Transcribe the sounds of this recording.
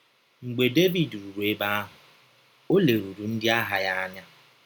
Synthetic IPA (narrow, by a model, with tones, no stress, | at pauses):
ŋ͡m̩˨ɡ͡be˨de˦vi˨dɾu˨ɾu˨e˦ba˦a˦ɦʊ˨ | o˦le˨ɾu˨ɾu˨n̩˦dɪ˦a˦ɦa˨ja˦a˦ɲa˦